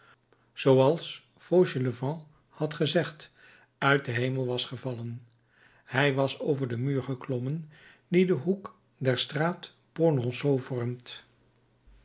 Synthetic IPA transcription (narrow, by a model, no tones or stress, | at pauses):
z̥owɑlˠs | foʒələvɑ̃ | hɑtχəzɛχt | œɥt̚dəɦejməlˠʋɑsχəvɑlən | hɛjʋɑsowvəɹdəmyːɹχəklɔmən | didəɦuk | dɛɹstraːt | ponɔ̃sowvɔrmt